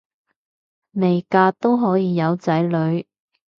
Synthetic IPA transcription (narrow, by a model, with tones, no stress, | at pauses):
me˨˩jkaː˧t̪o˥wɦɔː˨˥jiː˨˧jɐ˨˧wt͡sɐ˨˥jlɵ˨˧ɥ